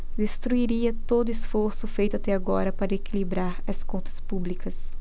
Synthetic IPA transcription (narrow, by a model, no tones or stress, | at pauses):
d̪est̪ɾuiɾiɐt̪od̪ʊesfoɾsʊfejt̪ʊat̪ɛaɡɔɾɐpaɾɐekilibɾaɾɐskõnt̪ɐ̥spublikɐs